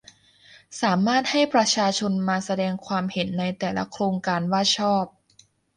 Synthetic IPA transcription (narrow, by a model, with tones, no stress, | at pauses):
saː˩˦maː˥˩t̪̚ha˥˩jpɾa˧t͡ɕʰaː˧t͡ɕʰo˧nmaː˧sa˧dɛː˧ŋkʰwaː˧mhe˩˦nːa˧jt̪ɛː˨˩la̰˦˥kʰɾoː˧ŋkaː˧nwaː˥˩t̪̚t͡ɕʰɔː˥˩p̚